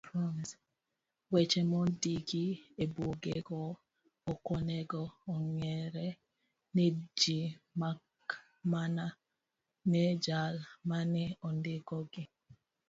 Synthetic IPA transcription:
pɾɔns | wɛt͡ʃɛmɔdiɡiebwoɡɛɡɔ | ɔkɔnɛɡɔːŋɛɾɛ | ned͡ʒimak | mana | ned͡ʒalmanɛɔndɪɡɔɡɪ

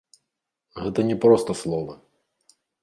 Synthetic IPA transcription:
ɣɛt̪ɐnʲɛpɾɔst̪ɔslˠɔʋɐ

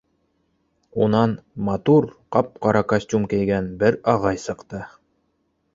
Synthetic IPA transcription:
unɑnmɑt̪uɾqɑp̚qɑɾɑkasʲtʲumkæjɡænbɘɾɑʁɑjsɤ̆qt̪ɤ

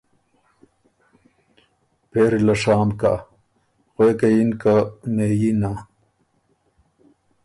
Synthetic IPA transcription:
peːɾilɐʂaːmka̰ | xwekɐjinkameːjina

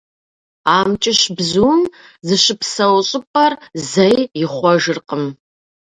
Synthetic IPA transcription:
aːmt͡ʃʼɪʃbzuːm | zɨɕɨpsɐwɕʼɪpʼɐrzɐjjɪχʷɔʒɨrqəm

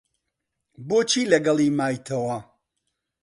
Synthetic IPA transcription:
boːt͡ʃʰiːlɐɡɐlˠiːmaːjt̪ʰɐwɐ

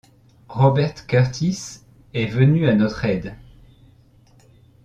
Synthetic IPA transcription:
ʁɔbɛʁt̪kʲœʁt̪ʰis | ɛvənyanɔt̪χɛd̪

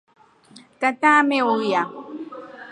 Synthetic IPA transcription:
kat̪aːmeuja

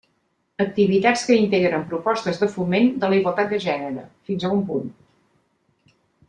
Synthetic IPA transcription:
ək̚t̪iβit̪at͡skəint̪eɣɾəmpɾupɔst̪əzðəfumend̪ələiɣwəlˠt̪at̪̚d̪əʒɛnəɾə̰finzəumpun

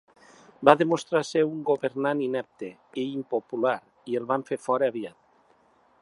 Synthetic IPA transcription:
baðemost̪ɾaseuŋɡoβeɾnaninɛp̚t̪e | eimpopulaɾ | ielβaɱfefɔɾeaβjat̪

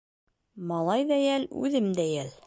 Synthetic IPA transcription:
mɑlˠɑjðæjælʉ̰ðɘmd̪æjæl

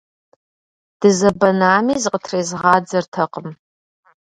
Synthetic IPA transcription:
d̥ɨzɐbɐnaːmizqʼətʰrezʁɑːd͡zɐrtʰɐqəm

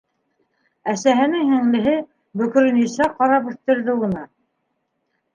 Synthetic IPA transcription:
æsæɦɘ̆nɘŋhɘ̆ŋlɘ̆ɦɘ | bɵ̆k̆ɾɘ̆nisæqɑɾɑpɵ̆θt̪ɘ̆ɾðɘŭnɤ

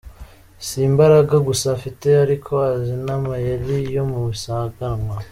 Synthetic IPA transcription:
simbaɾaɡaɡusafite̞aɾikʰo̞azinamajelijo̞muβisaːɡaŋwa

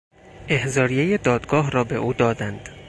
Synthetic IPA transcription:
ʔehzɒːɾijejed̪ɒːd̪ɡɒːɦrɒːbe̞ʔuːd̪ɒːd̪ænd̪̥

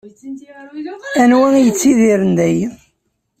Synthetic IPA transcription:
ænwæŋjət͡sːiðiɾənd̪æj

